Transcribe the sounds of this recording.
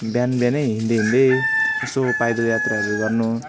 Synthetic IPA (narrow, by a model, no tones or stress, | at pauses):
bjanbjaneɦind̪eɦind̪eesopajd̪ojat̪raɦɾuɡʌrnu